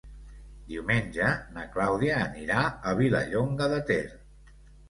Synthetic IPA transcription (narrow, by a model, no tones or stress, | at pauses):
d̪iwmenʲʒənəklawðiəːniɾaəβ̞ilə̰ʎoŋɡəðət̪eɾ